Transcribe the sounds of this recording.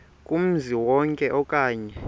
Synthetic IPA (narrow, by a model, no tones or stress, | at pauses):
kʼum̩ziwɔŋkʼɛʔɔkʼaːɲɛ